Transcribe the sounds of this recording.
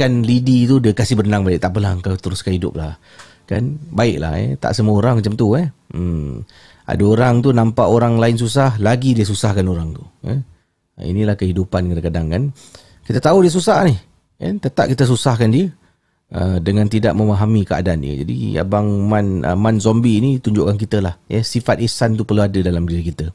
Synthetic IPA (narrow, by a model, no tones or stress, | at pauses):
kanlidit̪udiəkasɪhbərnaŋbaɪk̚t̪aʔp̬əlaəŋkawt̪əɾʊskanidʊ̰p̚lah | kanbaɪʔ̚la̰hɛ̰t̪a̰ʔsəmuəoɾaŋmat͡ʃamt̪uɛ | a̰daoɾaŋt̪unampaʔoɾaŋlaɪns̬usahlaɡidiəs̬usahkanoɾaŋt̪uɛ̰ | ḭnilahkəɦidupankadakadaŋkan | kit̪ət̪audiəs̬usahnɪh | ka̰nt̪ət̪a̰p̚kit̪əs̬usahkandiə | ʔə̰dəŋãnt̪idaʔ̚məmaɦamikəa̰dandḭə̰d͡ʒa̰dḭa̰baŋmanə̰manzɔmbiːnit̪uɲd͡ʒʊʔkank̬it̪əlahjə̰sifat̪̚isant̪̬upərluadədalamdiɾikit̪ə